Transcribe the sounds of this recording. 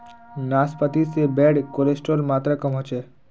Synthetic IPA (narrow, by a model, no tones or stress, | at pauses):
naspət̪isebeɽkolesʈolmaːt̪ɾəkəmɦɔt͡ʃe